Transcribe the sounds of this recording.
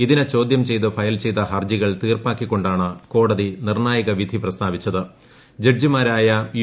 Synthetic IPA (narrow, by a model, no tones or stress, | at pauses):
iðinet͡ɕo̞ːd̪jɐmt͡ɕe̞jt̪ɨfɐjɐlt͡ɕe̞jt̪ɐɦɐrd͡ʑiɣɐɭt̪iːrpaːkːikʲːo̞ɳɖaːɳɨko̞ːɽɐðinirɳaːjɐɣɐʋid̪ʱiprɐst̪ʰaːʋit͡ɕːɐðɨ | d͡ʑeɖ̚d͡ʑimaːɾaːjɐj